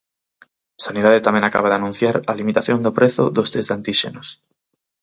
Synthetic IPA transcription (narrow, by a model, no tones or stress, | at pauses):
saniðaðet̪amẽŋaka̰βaðanũn̟θjaɾalimit̪aθjond̪opɾeθo̰ðost̪ezd̪ant̪iʃḛnos